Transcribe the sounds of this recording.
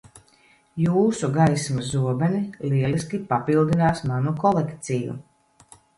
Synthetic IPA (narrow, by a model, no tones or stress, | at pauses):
juːsuɡajsmazuɔbɛniliɛliskʲipapilˠd̪inaːsmanukɔlˠekt̪sijṵ